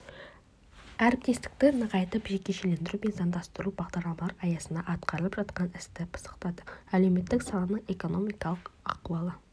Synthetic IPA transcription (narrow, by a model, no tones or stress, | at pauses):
æɾp̚t̪ʲʰest̪ɪ̥k̚t̪ɪnəqɑjt̪əpʒekʲːeʃelend̪ɪɾumenzɑnd̪ɑst̪ʊɾubɑʁd̪ɑɾlˠɑmɑlˠɑɾɑjɑsənd̪ɑʔɑt̪qʰɑɾəlˠəpʒɑt̪qɑnɪst̪ɪpʰə̥sə̥qt̪ɑd̪əælewme̞t̪ːɪksɑnənəɴeko̞no̞mijkɑlˠəqɑ̰quwɑlˠə